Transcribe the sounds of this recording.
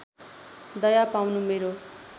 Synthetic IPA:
d̪ʌjapawnumeɾo

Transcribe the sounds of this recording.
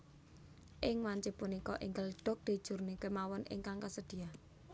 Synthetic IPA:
ʔɪŋwaɲt͡ʃɪpunikɔʔiŋɡəlɖ̥ɔ̤k̚d̪̥i̤d̥ʒ̥ṳrnikemawɔnɪ̰ŋkaŋkasəd̪̥i̤ah

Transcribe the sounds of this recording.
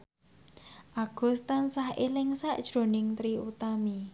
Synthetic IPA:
ʔaɡ̥ṳst̪ansahelɪŋsaʔd̥ʒ̥ɾo̤nɪŋt̪ɾiut̪ami

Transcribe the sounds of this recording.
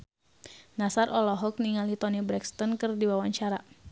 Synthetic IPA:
nasarʔɔlɔɦɔk̚niŋalit̪ɔnibɾɛkst̪ɔnkɨrdiwawaɲt͡ʃaɾa

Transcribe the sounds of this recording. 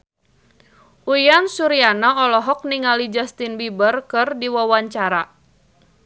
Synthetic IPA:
ʔujansuɾianaɔlɔɦɔk̚niŋalid͡ʒast̪inbibərkɨrdiwɔwaɲt͡ʃaɾa

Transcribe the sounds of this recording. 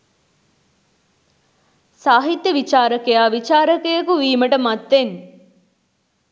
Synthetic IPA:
saːɦit̪jəʋit͡ʃaːɾəkejaːʋit͡ʃaːɾəkejəkuʋiːməʈəmat̪ːen

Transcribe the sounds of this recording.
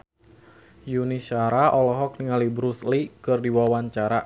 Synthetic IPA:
juniʃaɾaʔɔlɔɦɔk̚niŋalibɾuslikɨrdiwawaɲt͡ʃaɾa

